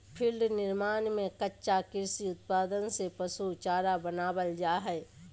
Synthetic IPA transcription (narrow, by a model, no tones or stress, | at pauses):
pʰɪlɖnɪɾmaːnmẽkɐtːʃakɪɾsiʊt̪̚paːd̪ənsepɐsut͡ʃaːɾabɐnaːbəld͡ʒaːɦɛː